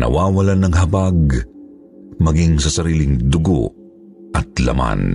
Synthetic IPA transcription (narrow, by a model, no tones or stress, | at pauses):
nɐ̰waːwɐlanɐŋɦɐbaɡ̚ | mɐɡiŋsɐsɐɾiːlɪŋd̪ʊɡo̰ | ʔɐt̪̚lɐ̰ma̰n